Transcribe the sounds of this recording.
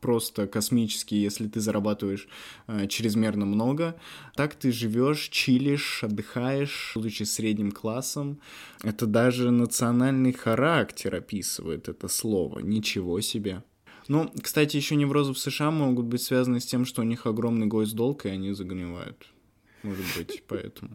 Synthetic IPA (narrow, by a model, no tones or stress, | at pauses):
pɾo̞st̪əkɐsmʲit͡ɕɪ̥skʲɪjjesʲlʲɪt̪ɨzəɾʔɐbat̪ɨvəjɪʂət͡ɕɾʲɪzmʲe̞rnəmno̞ɡət̪akt̪ɨʐɨvʲo̞ʂt͡ɕilʲɪʂɐd̪ːɨxajɪʂd̪ʊt͡ɕisʲɾʲedʲnʲɪmklˠasːəmɛt̪əd̪aʐɨnət̪sɨɐnalʲnɨjxɐɾaktʲɪɾɐpʲisɨvə̰jɪ̰t̪ɛt̪əslˠo̞̰və̰nʲɪt͡ɕɪvo̞sʲɪbʲe | nukst̪atʲɪjɪɕːonʲɪvɾo̞zəfsɨʂɨamoɡʊt̪̚bɨtʲsvʲazənəsʲtʲe̞mʂt̪o̞ʊnʲixɐɡɾo̞mnɨjɡo̞zd̪o̞lˠkɪɐnʲizəɡɨnʲɪva̰jʊ̰t̪ | moʐʊt̪bɨtʲpɐɛ̰t̪əmʊ